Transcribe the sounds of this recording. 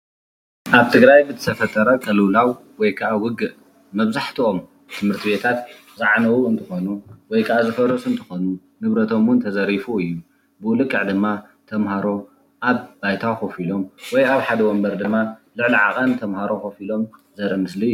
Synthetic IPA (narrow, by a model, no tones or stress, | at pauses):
ʔaβt̪ʰɨɡɾajbɨt̪ʰɨt̪ʰɐfɐt̪ʼɐɾɐkʼɐlulawwɔjkʰɐʔawʊɡɨʔ | mɐβzaħt̪ʰio̞m | t̪ʰɨmhɨɾt̪ʰiβe̞t̪ʰat̪ | zaʕnɐwuɨnt̪ʰɨxonuwɔjkʰɐʔazɨfɐɾɐsʼunt̪ʰɨ̥xo̞nu | nɨβɾɐt̪ʰo̞mwʊnt̪ʰɐzɐɾifuɨjːu | bɨʔulɨkʼːɨʕd̪ɨmːa | t̪ʰɐmhaɾo̞ | ʔaβbajt̪ʰaho̞filo̞mwɔjaβħad̪ɐwombɐɾd̪ɨmːalɨʕliʕakʼɐnt̪ʰɐmhaɾo̞xo̞filo̞mzɐɾɐmɨsli